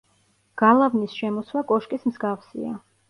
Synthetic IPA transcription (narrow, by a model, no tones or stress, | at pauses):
ɡ̥alˠavnisʃɛmɔswakʼɔʃkʼismzɡafsḭa̰